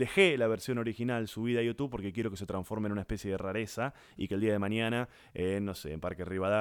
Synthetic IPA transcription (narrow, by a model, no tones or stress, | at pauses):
d̪exelaβeɾsjo̞no̞ɾixinalsuβiðajot̪uβpo̞ɾkekjeɾo̞kes̬e̞t̪ɾãɱfo̞ɾmenunaehpesje̞ðeraɾesa | ḭkeːld̪iað̞e̞maɲjana | enːo̞seːmpaɾkeriβaða